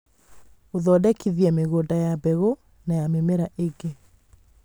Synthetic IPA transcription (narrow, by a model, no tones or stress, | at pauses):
oðɔdɛkiðiɛmeɣoːdajabɛɣo | najamemeɾaʔeɡe